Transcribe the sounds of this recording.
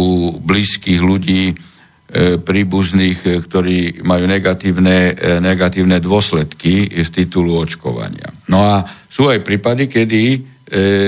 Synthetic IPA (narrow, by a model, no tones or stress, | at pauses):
uːbliːskiːɣluɟiː | pɾiːbuzniːxkt̪ɔɾiːmajuːnɛɡat̪iːʊnɛnɛɡat̪iːʊnɛd̪ʊɔslɛt̪kift̪it̪uluɔt͡ʃkɔ̰ʋa̰ɲɪa̰nɔasuːajpɾiːpad̪ikɛd̪i